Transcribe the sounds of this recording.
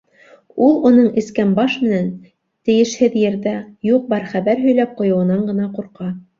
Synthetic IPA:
ulˠunɤɴɘ̆skænbɑʃmɘ̆næn | t̪ɘ̆jɘ̆ʃhɘðjɘ̆ɾðæjuq̚bɑɾχæβæɾɦɵ̆jlæp̚qŏjŏwɤ̆nɑɴɢɤ̆nɑquɾqɑ

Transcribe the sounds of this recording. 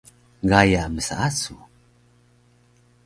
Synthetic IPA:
ɡajaməsa̰asu

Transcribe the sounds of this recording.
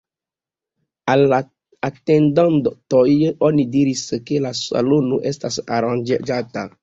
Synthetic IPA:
ala | atendãndtojonidiɾiskelasa̰lonoʔestasa̰ɾãnd͡ʒed͡ʒata̰

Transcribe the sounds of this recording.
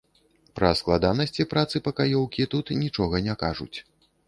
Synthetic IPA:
pɾɐ̰sklˠad̪anɐsʲt͡sʲipɾat̪sɨpɐkajɔwkʲit̪ut̪nʲit͡ʂɔɣɐnʲɛkaʐṵt͡sʲ

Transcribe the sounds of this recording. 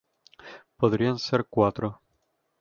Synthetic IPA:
poðɾianseɾkwat̪ɾo

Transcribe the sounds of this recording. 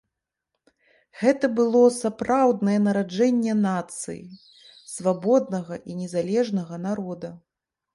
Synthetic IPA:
ɣɛt̪ɐbɨlˠɔsapɾawd̪nɐjɛnɐɾad͡ʐɛnʲːɛnat̪sɨ̰jḭ | svabɔd̪̚nɐɣɐʔinʲɛzalʲɛʐnɐɣɐnaɾɔd̪ɐ

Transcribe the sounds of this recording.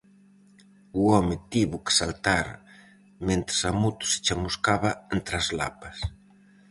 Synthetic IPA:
uɔmɪt̪iβʊke̥salt̪aɾ | mẽnt̪ɾɪsamut̪u̥sɪ̥t͡ʃamuskaβaent̪ɾazla̰pas

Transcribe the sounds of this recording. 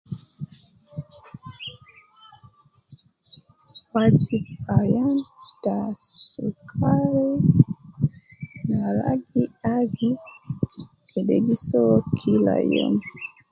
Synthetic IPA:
wad͡ʒibajantasukʰaɾɛ | naɾa̰ɡiaɡi | kʰɛɗeɡisɔkʰila̰jɛ̰m

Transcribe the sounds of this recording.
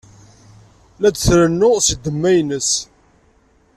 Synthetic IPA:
læd̪θɾənːʊʁsəd̪əmːæjnəs

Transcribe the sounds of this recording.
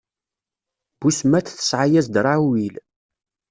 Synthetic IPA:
b̥usmæt͡sθə̥sʕajæzd̪ɾˤawil

